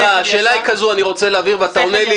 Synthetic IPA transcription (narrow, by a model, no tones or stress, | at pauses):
aaʃe̞ːlaikazuaniʁo̞t͡seleːviʁveat̪aoneli